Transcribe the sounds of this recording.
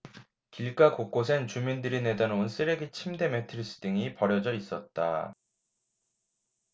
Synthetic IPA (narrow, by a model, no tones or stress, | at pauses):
kiɭk͈akok͈os̬ʰent͡ɕumindɯɾine̞danouns͈ʰɯɾe̞ɡit͡ɕʰimde̞me̞tʰɯɾs͈ʰɯ̥dɯŋipʌɾjʌd͡ʑʌis͈ʌt̚t͈a̰